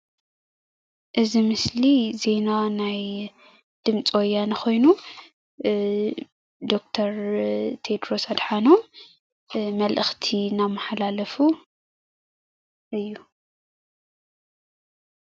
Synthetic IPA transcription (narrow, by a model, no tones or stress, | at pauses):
ʔɨzimɨslize̞nanaj | d̪̥ɨmt͡sʼwojːanɨxo̞jnu | d̪o̞k̚t̪ʰɐɾt̪ʰed̪ɾo̞sad̪ħano | mɐlʔɨxt̪ʰinamːaħalalɐfu | ʔɨjːu